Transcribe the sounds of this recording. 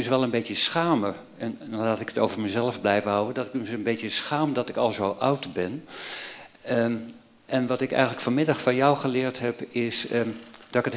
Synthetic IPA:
ysʋɛlˠənbetjəsxaːmə | ɛnːlaːtɪkətowvəɹməzɛləfblɛjvəɦʌwədɔtɪkənbejtjəsxaːmdɔtɪkɑlˠzowʔʌwtbɛn | ʔɛnʋɑtɪkɛ̰jxənləkfɔnmɪdɑxfɔnjɔwχəlɪːɹtɦɛpɪsd̥ɔkət

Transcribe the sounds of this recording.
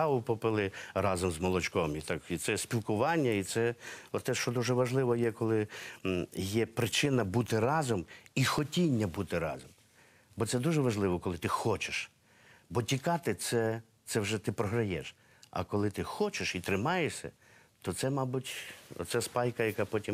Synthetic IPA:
ɑʋʊpɔpɪlˠɪɾɑzɔmzmɔlˠɔt͡ʃkɔmit̪ɑkit̪sɛsʲpʲilˠkʊʋɑnʲːɐit̪sɛɔt̪ːɛʃt͡ʃɔd̪uʒɛʋɐʒlˠɪʋɔjɛkɔlˠɪ | jɛpɾɪt͡ʃɪnɐbut̪ɪrɑzɔmixɔtʲinʲːɐbut̪ɪɾɑ̰zɔm | bɔt̪sɛd̪uʒɛʋɐʒlˠɪʋɔkɔlˠɪt̪ɪxɔt͡ʃeʃ | bɔtʲikɑt̪ɪt̪sɛ | t̪sɛwʒɛt̪ɪpɾɔɦɾɐjɛʃ | ɐ̰kɔlˠɪt̪ɪxɔt͡ʃeʃit̪ɾɪmɑjesʲɐ̰ | t̪ɔt̪sɛmɑbʊtʲt̪sɛspɑjkɐjɐkɑpɔtʲim

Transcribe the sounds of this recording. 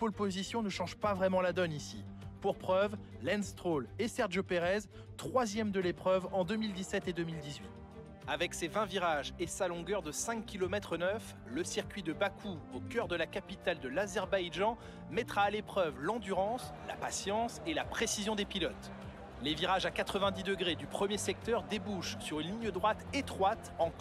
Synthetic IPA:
pɔlpozisjɔ̃nəʃɑ̃ʒpavʁɛmɑ̃lad̪ɔnisḭ | puʁpχœv | lɛnst̪χolesɛʁʒopeʁɛz | t̪χwazjɛmd̪əlepχœvɑ̃d̪ømild̪isɛt̪ed̪ømild̪izɥit̪ | avɛksevɛ̃viʁaʒesalɔ̃ɡœʁd̪əsɛ̃kʲːilɔmɛt̪χənœf | ləsiʁkʲɥid̪əbakʰuokʲœʁd̪əlakapit̪ald̪əlazɛʁbajʒɑ̃ | mɛt̪χaːlepχœvlɑ̃d̪yʁɑ̃sla̰pasjɑ̃selapχesizjɔ̃d̪epilɔt̪ | leviʁaʒakat̪χəvɛ̃d̪id̪əɡʁed̪ypχəmjesɛk̚t̪œʁd̪ebuʃsyʁynlinjəd̪ʁwat̪et̪χwat̪ɑ̃

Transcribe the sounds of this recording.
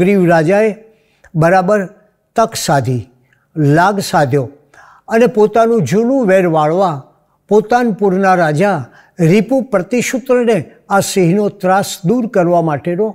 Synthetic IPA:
ɾiʋɾad͡ʒae | bəɾabəɾ | t̪əksad̪ʱi | laɡsad̪ʱjo | ənepot̪anũd͡ʒunũʋeɾʋaɭʋa | pot̪anpuɾnaɾad͡ʒa | ɾipũpɾət̪iʃʊt̪ɾəne | asiɦnot̪ɾasd̪uɾkəɾʋamaʈeno

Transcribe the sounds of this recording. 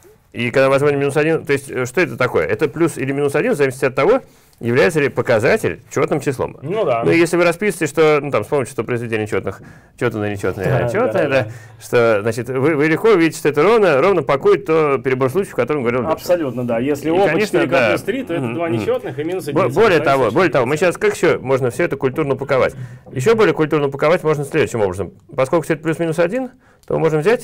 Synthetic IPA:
ikaɡd̪amvɐzmonʲɪmʲinʊsɐdʲint̪o̞ɪsʲtʲəʂt̪o̞ɛt̪ət̪ɐko̞jə̰ʔɛt̪əplʲusɪlʲɪmʲinʊsɐdʲinzɐvʲisʲɪ̥tʲɐt̪ːɐvo̞ | jɪvlʲæjɪt̪səlʲɪpəkɐzatʲɪ̰lʲt͡ɕo̞t̪nɨmt͡ɕɪslˠo̰mnd̪anuɪjesʲlʲɪvɨɾɐspʲisɨvətʲɪʂt̪o̞nut̪amspomʲɪtʲʊʂt̪opɾəɪzvʲɪdʲenʲɪt͡ɕo̞t̪nɨx | t͡ɕot̪ənənʲɪt͡ɕo̞t̪nəjət͡ɕot̪nəjəd̪a | ʂt̪o̞znat͡ɕɪt̪vɨvɨlʲɪxko̞vʲidʲɪtʲɪ̥ʂt̪oɛt̪əɾo̞vnəɾo̞vnəpɐkujɪt̚ʲt̪ːopʲɪɾʲɪbo̞rslˠut͡ɕɪfkɐt̪oɾəmɡəvɐɾʲit̪ːɐpsɐlʲut̪nəd̪ajesʲlʲɪoɐnʲʂədk̪aast̪ɾʲit̪oɛəd̪vanʲɪot̪nɨxɨmʲinʊsɐbbo̞lʲɪjət̪ɐvo̞bo̞lʲɪət̪ɐvo̞mɨɕːaskakɪ̥ɕːomo̞ʐnəfsʲɵɛt̪əkʊlʲt̪urnəpəkɐva̰tʲjɪɕ̬ːo̞bolʲɪəkʊlʲt̪urnəpəkɐvatʲmo̞ʐnəsʲlʲed̪ʊɕːɪmo̞bɾəzəmpɐskolʲkʊ̥fsʲɛt̪əplʲusmʲinʊsɐdʲin | t̪omɨ̰mo̞ʐnəvzʲætʲ

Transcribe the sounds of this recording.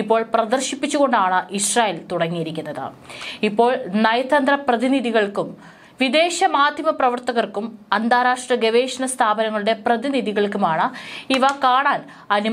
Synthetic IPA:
ipːo̞ːɭprɐd̪ɐrɕipːit͡ɕːuɣo̞ɳɖaːɳɨʔiɕraːjeːlt̪uɽɐŋːijiɾikʲːunːɐðɨ̰ | ipːo̞ːɭnɐjɐt̪ʰːɐnd̪rɐprɐðiniðiɣɐɭkum | ʋid̪e̞ːɕɐmaːd̪ʱjɐmɐprɐʋɐrt̪ɐɣɐrkːumɐnd̪aːɾaːʂʈrɐɡe̞ʋeːʂɐnɐst̪ʰaːbɐnɐŋːɐɭuɽe̞prɐðiniðiɣɐɭkumaːɳɨiʋɐkaːɳaːn | ɐnu

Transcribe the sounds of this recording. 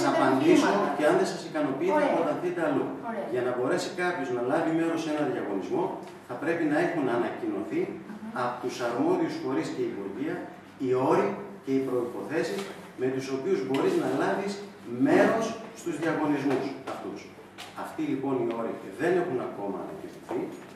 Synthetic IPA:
sɐpɐnd̪isoceɐnðe̞sɐsikɐno̞piit̪epot̪ɐθit̪eɐluʝɐnɐbo̞ɾe̞sikɐpçoznɐlɐvime̞ɾo̞se̞nɐnðjʝɐɣo̞nizmo̞ | θɐpɾe̞pinɐe̞xunɐnɐcino̞̰θiɐpot̪usɐɾmo̞ðiusfo̞ɾisce̞ivoʝiɐ | io̞ɾice̞ipɾo̞ipo̞θe̞sis | me̞t̪uso̞piuzbo̞ɾiznɐlɐvis | me̞ɾo̞sːt̪uzðʝɐɣo̞nizmusɐft̪us | ɐft̪ilipo̞nio̞ɾiðe̞ne̞xunɐko̞mɐ̰ːnɐ̰cinoθi

